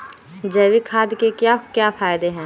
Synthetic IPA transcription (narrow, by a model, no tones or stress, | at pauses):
d͡ʒɐːʋikʰaːd̪kekakjaːfʰaːjd̪eɦɛ̃ː